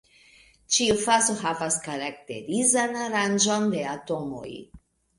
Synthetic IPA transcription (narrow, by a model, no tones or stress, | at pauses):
t͡ʃiufasoɦavaskaɾak̚te̞̰ɾizanaɾand͡ʒonde̞ato̞mo̰j